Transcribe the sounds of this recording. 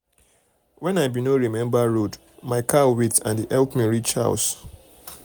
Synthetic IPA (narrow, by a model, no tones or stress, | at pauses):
wɛ̃naɪbinoɹimɛ̃mbaɹod | maɪkʰawitã̰ndiʔɛlpmiɹit͡ʃha̰ʊs